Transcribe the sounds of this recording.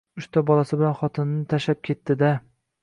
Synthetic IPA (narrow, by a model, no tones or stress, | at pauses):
ʊʃt̪ʰabɒlˠasɪbɪlanχɒt̪ʰɪnːɪt̪ʰaʃap̚kʲʰe̞t̪ːɪd̪a